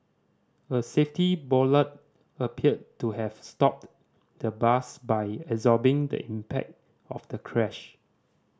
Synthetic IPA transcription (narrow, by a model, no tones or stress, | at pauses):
əseftibɔlət̚ | əpʰiəd̚tːuɦɛvstɔp̚ | d̥əbasbajɛzɔbɪ̃ŋdə̰ʔĩmpʰɛ̰k̚t | ɔfd̥əkʰɹɛʃ